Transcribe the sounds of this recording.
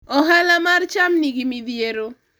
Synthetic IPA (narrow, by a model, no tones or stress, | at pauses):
ɔɦalamart͡ʃamniɡimid̪jeɾo